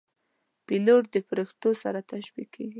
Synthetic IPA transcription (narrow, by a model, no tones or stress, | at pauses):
piloʈ̚d̪əpɾext̪osaɾat̪aʃbikʰːeɡi